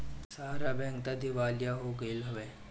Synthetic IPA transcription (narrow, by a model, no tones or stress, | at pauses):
saːɾabɛ̃ːŋɡt̪ad̪iʋaːlijaɦoɡəilɦɐʋeː